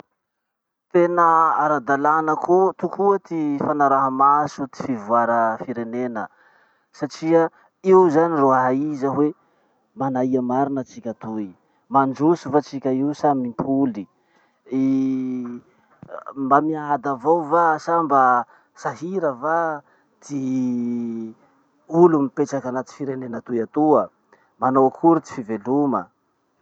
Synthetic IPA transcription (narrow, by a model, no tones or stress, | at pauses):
t̪enəaɾad̪alanəkʰut̪ukʰuat̪ifanaɾaɦəmasut̪i̥fivuaɾəfiɾenenə | saʈ͡ʂiə | iwzaniroaɦaizəɦwe | manaiamaɾinət͡sikʲət̪ui | mand͡ʒusufat͡sikʲəiwsamimpʰuli | i | mbamiad̪avawvasambə | saɦiɾəva | d̪̥i | ulumipeʈ͡ʂakanat̪i̥fiɾenenət̪ujat̪uə | manowkʰuɾut̪i̥fivelumə